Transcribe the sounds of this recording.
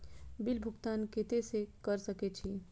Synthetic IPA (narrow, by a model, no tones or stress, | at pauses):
bilbʱʊɡt̪anket̪esekəɾsəket͡ʃʰi